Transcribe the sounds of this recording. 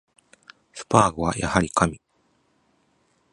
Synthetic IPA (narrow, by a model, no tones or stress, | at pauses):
sɯ̥paːɡɯβa̰ja̰haɾʲikamʲi